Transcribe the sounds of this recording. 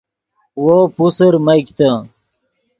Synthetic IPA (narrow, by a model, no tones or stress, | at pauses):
wopusəɾmɐkt̪a